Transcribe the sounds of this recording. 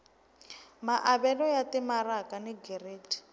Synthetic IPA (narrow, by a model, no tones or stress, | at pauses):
maʔabɛlɔjatɪmarakanɪɡɛreːtʰi̥